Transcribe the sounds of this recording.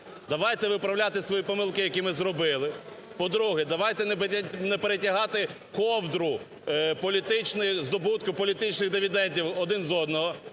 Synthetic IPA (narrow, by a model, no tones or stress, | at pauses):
d̪ɐʋɑjt̪ɛʋɪpɾɐwlʲat̪ɪsʋɔjipɔmɪlˠkɪjɐkʲimɪzɾɔbɪlˠɪ | pɔd̪ɾuɦɛd̪ɐʋɑjt̪ɛnɛpeɾetʲɐɦɑt̪ɪ | kɔwd̪ɾʊ | pɔlʲit̪ɪt͡ʃnɪjzd̪ɔbut̪kʊpɔlʲit̪ɪt͡ʃnɪɣd̪ɪʋʲid̪ɛnʲdʲiwɔd̪ɪnzɔd̪nɔɦɔ